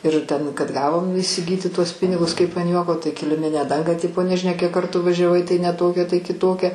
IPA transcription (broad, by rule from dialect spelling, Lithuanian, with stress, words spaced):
ɪr ˈtʲɛn kɐt ˈɡɑːʋoːm iːsʲɪˈɡʲiːtʲɪ tuɔs ˈpʲɪnʲɪɡʊs ˈkɐɪp ɐn ˈjuɔkoː tɐɪ kʲɪlʲɪˈmʲɪnʲæː ˈdɐŋɡɑː ˈtʲɪpoː nʲɛʒʲɪˈnʲɛ kʲiɛk ˈkɐrtuː ʋɐˈʒʲæːʋɐɪ tɐɪ nʲɛ ˈtoːkʲɛ tɐɪ kʲɪˈtoːkʲɛ